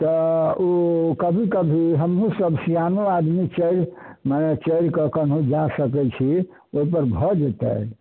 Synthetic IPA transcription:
t̪əokəbʱikəbʱiɦəmɦũsəbsijanuad̪mit͡ʃəiɾmanet͡ʃəɾkəkən̤ũd͡ʒasəkɛt͡ʃʰi | oipəɾbʱɔd͡ʒet̪ɛ̰

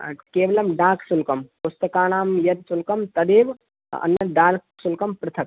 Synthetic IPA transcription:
keːʋɐlɐmɖaːksulkɐmpust̪ɐkaːɳ̃aːmjɐd̪sulkɐmt̪ɐd̪eːʋ | ɐ̰nːɐɖaːlksulkɐmpɾɐt̪ʰɐk̚

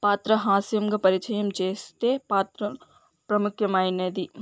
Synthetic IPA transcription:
paːt̪ɾɐɦaːsijɐmɡɐpɐɾɪt͡ʃɐjɐmt͡ʃeːst̪epaːt̪ɾɐ | pɾɐmʊkʰjɐmaːjneːd̪iː

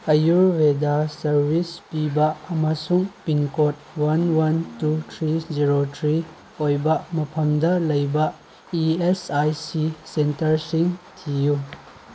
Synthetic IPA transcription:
ɐjuɾwedasɐɾbʱispibɐːmɐsuŋpiŋkot̚wɐnwɐntutʰɾiziɾotʰɾi | ojbɐmɐpʰɐmdɐlɐjbɐ | iesajsisentɐɾsiŋtʰiju

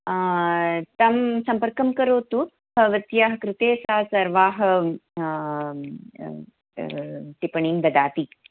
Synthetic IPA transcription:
t̪ɐmsɐmpɐɾkɐmkɐɾoːt̪u | hɐʋɐt̪jaɦɐkɾɪt̪eːsaːsɐɾʋaːɦɐ̆ | t̪ipɐɳiːmd̪ɐd̪aːt̪iː

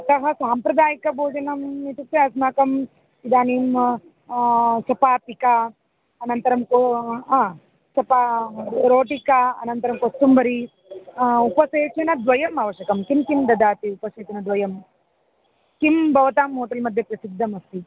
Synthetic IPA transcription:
ɐt̪ɐɦɐsaːmpɾɐd̪aːjikɐbʱoːd͡ʒɐnɐmit̪ut̪ːeɐsnaːkɐm | id̪aːniːm | ʃɐpaːp̪ika | ɐnɐnt̪ɐɾɐmkoaː | ʃɐpaɾoːʈikaɐ̰nɐnt̪ɐɾɐmkost̪umbɐɾi | upɐseːt͡ʃɐnɐd̪ʋɐjɐmɐʋɐʃjɐkɐmkimkimd̪ɐd̪aːt̪iupɐseːt͡ʃɐnɐd̪ʋɐjɐm | kimbʱɐʋɐt̪aːmːoːʈ̪ɐlmɐd̪ʱjɐpɾɐsid̪ʱːɐmɐst̪i

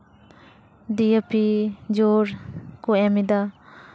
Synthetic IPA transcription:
diepid͡ʒoɾkuemid̪a

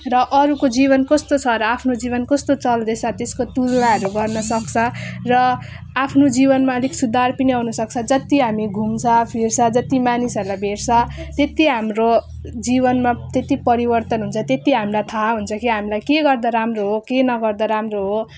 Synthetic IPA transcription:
rʌʔʌɾukod͡ziβʌnkʌst̪ot͡sʰʌɾʌapʰnod͡zibʌnkʌst̪ot͡sʌld̪et͡sʰʌt̪eskot̪ud͡zɽaɦʌɾuɡʌrnʌsʌkt͡sʰʌrʌ | apʰnod͡zibʌnmaliksud̪ʱarpiniɦʌunʌsʌk̚t͡sʰʌ̃d͡zʌt̪iɦamiɡʱumt͡sʰʌpʰirt͡sʰʌ̃d͡zʌt̪imanisʌɾulajbʱert͡sʰʌ̃t̪et̪iɦamro | d͡zibʌnmat̪et̪ipʌɾibʌrt̪ʌnɦunt͡sʰʌt̪et̪iɦamilajt̪ʰaɦunt͡sʰʌkiɦamilajkeɡʌrd̪aɾamroɦokenʌɡʌrd̪aɾamroɦo

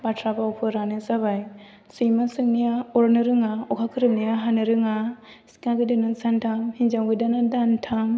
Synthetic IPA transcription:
batʰɾabawpʰɯɾanɯzabaj | sɯjmasɯŋnijaɔɾnɯɾɯŋaɔkʰakʰɯɾɯp̚nijaɦanɯɾɯŋa | skaɡɯdanasantʰamhind͡ʒawɡɯdanadantʰam

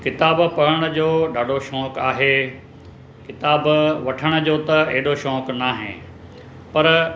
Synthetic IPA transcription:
kɪt̪aːbpɐɽəɽ̃ʊd͡ʑoːɗaːɖoʃɔːkaːɦeː | kɪt̪aːbʋɐʈʰəɽ̃ʊ̆d͡ʑoːt̪ɐeɦɪɗoʃɔːknaːɦḛ̃ː | pɐɾ

